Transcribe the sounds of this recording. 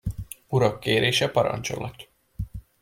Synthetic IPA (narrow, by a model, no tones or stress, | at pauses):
uɾɒkːeːɾʔeːʃɛpɒɾɒ̰nt͡ʃo̰lɒt̪ː